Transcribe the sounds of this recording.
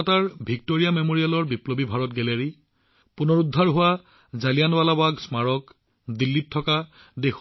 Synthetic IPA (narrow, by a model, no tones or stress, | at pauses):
ataɹbʱik̚toɹijamemoɹijalɔɹbiplobibʱaɹɔtɡɛleɹi | punɔɹudʱːaɹɦʊwa | zalijanwalabaksmaɹɔk | dilːit̚tʰːɔka | dex